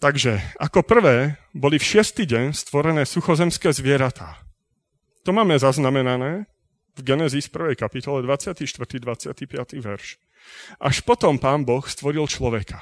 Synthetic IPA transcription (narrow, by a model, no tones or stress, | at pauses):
t̪aɡʒɛakɔpr̩ʋɛːbɔlifʃɪɛst̪iːɟɛɲst̪ʋɔɾɛnɛːsuxɔzɛmskɛːzʋɪɛɾat̪ʰaː | t̪ɔmaːmɛzaznamɛnanɛː | vɡɛnɛzisfpr̩ʋɛjkapit̪ɔlɛd̪ʋat͡sɪat̪iʃt̪ʋr̩t̪id̪ʋat͡sɪat̪ipɪat̪iʋɛ̰ɾʃ | ʔa̰ʃpɔt̪ɔmpaːnbɔxst̪ʋɔɾilt͡ʃlɔʋɛkʰa